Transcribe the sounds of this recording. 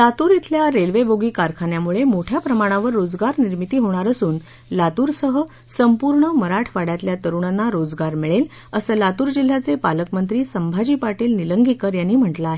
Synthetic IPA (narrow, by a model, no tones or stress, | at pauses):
lat̪uːɾit̪ʰljaɾelʋebʱoɡiːkaɾkʰanjamuɭemoʈʰjapɾəmaɽ̃ãʋəɾːod͡zɡaɾniɾmit̪iːɦoɽ̃aɾəsuːn | lat̪uːɾsəɦə | səmpuɾɳəməɾaʈʰʋaɽjat̪ljat̪əɾuɳanːaɾod͡zɡaɾmiɭel | əsəlat̪uːɾd͡ʑil̤ːat͡sepaləkmənt̪̬ɾiːsəmbʱad͡ʑiːpaʈiːlniləŋɡʱikəɾjanːiːm̤əɳʈlaaɦe